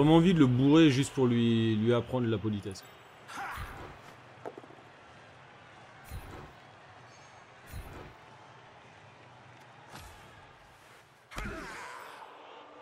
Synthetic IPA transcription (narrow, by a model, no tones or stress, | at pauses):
ʁɛmɑ̃ɑ̃vid̪ələbuʁeʒyst̪̚puʁlɥilɥiapχɑ̃d̪ʁəlapɔlit̪ɛsk